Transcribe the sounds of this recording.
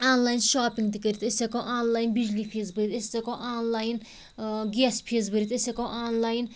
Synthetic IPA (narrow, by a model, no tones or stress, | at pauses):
aːnlaːjnʃaːpiŋɡt̪ikəɾʲit̪esekɔʔaːnlaːjinbid͡ʒlipʰizbɨɾit̪est͡s̪ɐkɔʔaːnlaːjin | ɡʲespʰizbəɾit̪esekɔʔaːnlaːjn